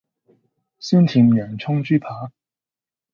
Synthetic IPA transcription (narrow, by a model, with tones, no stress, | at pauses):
syː˥nt̪ʰi˨˧mjœː˨˩ŋt͡ʃʰʊ˥ŋt͡ʃyː˥pʰaː˨˥